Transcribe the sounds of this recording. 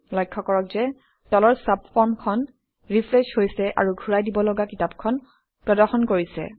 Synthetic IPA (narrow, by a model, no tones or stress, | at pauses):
lɔjkʰːɔkɔɹɔkzɛ | tɔlɔɹsapfʰɔɹmkʰɔn | ɹipʰlɛʃhojsɛʔa̰ɹuɡʱuɹajdibɔlɔɡakitapkʰɔn | pɹɔdɔɹxɔnkoɹisɛ̰